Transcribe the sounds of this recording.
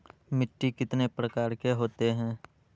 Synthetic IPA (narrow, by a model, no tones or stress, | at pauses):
mɪʈːikɪt̪nepɾəkaːɾkeɦoːt̪eɦɛ̃ː